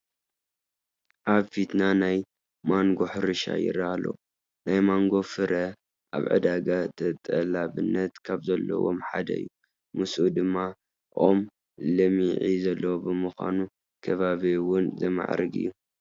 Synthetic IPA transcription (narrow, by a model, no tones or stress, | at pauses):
ʔaβfit̪nanaj | maŋɡo̞ħɨɾɨʃa̰jɪ̰ɾalo̰ | najmaŋɡo̞fɨɾʔɐ | ʔa̰βʕɨ̰d̪aɡat̪ʰɐt̪ʼːɐlaβɨnːɐt̪kʰaβzɐlːɐ̰wo̰mħad̪ɐ̰ɨ̰jːu | mɨsʔud̪ɨmːa | ʔom | lɐmiʕizɐlːɐwobɨmɨxʷa̰nu | kʰɐβaβiwʊnzɐma̰ʕɾɨɡɨ̰jːu